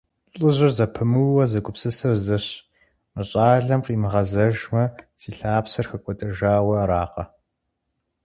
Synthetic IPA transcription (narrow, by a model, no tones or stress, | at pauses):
ɬʼɨʑɪrzɐpʰɨmɨwːɐzɐɡʷʼʊpsɨsɨrzɨɕ | mɨɕʼaːɮɐmqiːmɨʁɐzɐʒmɐsiːɬaːpsɐrxɐkʷʼɔtʼɐʒaːwɐɾaːqɐ